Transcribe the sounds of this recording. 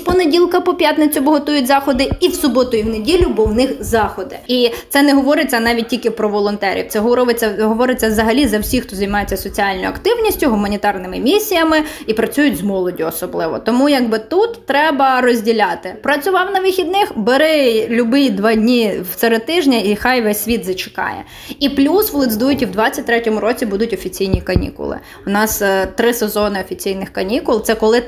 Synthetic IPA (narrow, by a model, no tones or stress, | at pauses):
pɔnedʲilˠkɐpɔpʲjat̪nɪt͡sʲʊbɔɦɔt̪ujʊtʲzɑxɔd̪ɪiwsʊbɔt̪ʊiwnedʲilʲʊbɔwnɪxzɑxɔd̪ɪ̰isɛnɛɦɔʋɔɾɪt͡sʲːɐnɑʋʲit̚ʲtʲilʲkɪpɾɔʋɔlˠɔnt̪ɛɾʲʔḭwt̪sɛɦɔʋet͡sʲːɐɦɔʋɔɾɪt͡sʲːɐʋzɐɦɐlʲizɐwsʲixt̪ɔzɐjmɑjet͡sʲːɐsɔt͡sʲiɑlʲnɔjʊɐkt̪ɪwnʲisʲtʲʊɦʊmɐnʲit̪ɑrnɪmɪmʲissʲijɐmɪipɾɐt͡sʲujʊtʲzmɔlˠɔdʲʊɔsɔblˠɪʋɔ̰t̪ɔmujɐɡbɪt̪ut̪ːɾɛbɐrɔzʲdʲilʲɑt̪ɪpɾɐt͡sʲʊʋɑwnɐʋɪxʲid̪nɪxbeɾɪlʲʊbɪjd̪ʋɑdʲnʲiw̪sɛɾet̪ɪʒnʲɐixɑjʋɛsʲːʋʲid̪zɐt͡ʃɪ̥kɑ̰jɛ̰ | iplʲusʋlˠɪd̪zd̪ujʊtʲiwd̪ʋɑt͡sʲːɐt̚ʲt̪ɾɛtʲɔmʊɾɔt͡sʲibud̪ʊtʲɔfʲit͡sʲijnʲikɐnʲḭkʊ̰lˠɪ̰ | ʊnɑst̪ɾɪsezɔnɪɔfʲit͡sʲijnɪxkɐnʲikʊlˠt̪sɛkɔlˠɪ